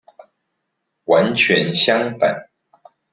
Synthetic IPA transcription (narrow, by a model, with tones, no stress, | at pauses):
wa˧˦nt͡ɕʰɥɛ˧˥nɕjɑ˥ŋpa̰˨˩˦n